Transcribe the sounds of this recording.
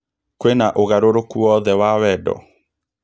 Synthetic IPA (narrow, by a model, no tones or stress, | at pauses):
kwenaʔoɣaɾoɾokuwɔðɛwawɛdɔ̰